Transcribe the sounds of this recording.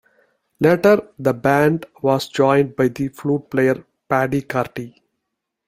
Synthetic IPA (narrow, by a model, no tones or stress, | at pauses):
leʈəɾd̪əbæ̃ɳɖʋɔːzd͡ʒɔ̃ɪ̃ɳɖ̚baɪd̪ifluːʈ̚plejəɾ | pæɖikaːɾʈi